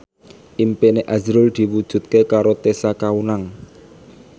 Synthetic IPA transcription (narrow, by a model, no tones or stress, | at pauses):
ʔimpeneʔazɾʊld̪̥i̤wud̥ʒ̥ṳt̪̚kekaɾot̪esakaunaŋ